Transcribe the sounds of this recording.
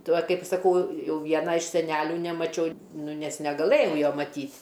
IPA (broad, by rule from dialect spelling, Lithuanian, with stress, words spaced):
ˈtuɔ ˈkɐɪp sɐˈkɐʊ ˈjɛʊ ˈʋʲiɛnɑː ɪʃ sʲɛˈnʲæːlʲuː nʲɛmɐˈt͡ʃʲɛʊ ˈnʊ ˈnʲɛs nʲɛɡɐˈlˠɘjɛʊ ˈjoː mɐˈtʲiːtʲ